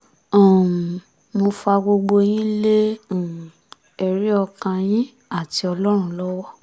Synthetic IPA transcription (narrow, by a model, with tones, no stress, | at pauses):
ã˨ | mo˧fa˧ɡ͡bo˧ɡ͡bo˧j̃ĩ˦lẽ˦˨ | ɛ˧ɾi˦ɔ˧kã˧j̃ĩ˦ | a˦˨ti˧˦ɔ˧lɔ˦ɾ̃ũ˧˦lɔ˦wɔ˦